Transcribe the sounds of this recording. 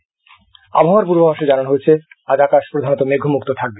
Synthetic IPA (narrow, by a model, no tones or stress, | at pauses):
a̰bʱaoaɾpuɾbobaʃed͡ʑananɦojet͡ɕʰe | ad͡ʑakaʃpɾod̪ʱanot̪omeɡʱomuk̚t̪ot̪ʰak̚be